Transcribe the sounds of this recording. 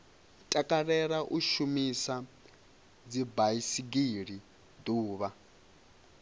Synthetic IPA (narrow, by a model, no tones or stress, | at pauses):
tʼakʼarɛɺaʔuʃumisa | d͡zibaisiɡiɺi | d̪uːβa